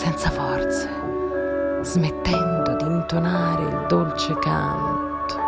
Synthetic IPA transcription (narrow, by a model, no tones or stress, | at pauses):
sɛnt̪safɔrt̪sḁ | z̥met̪ːɛnd̪od̪iːnt̪onaːɾḛḭld̪olt͡ʃeka̰nt̪o̥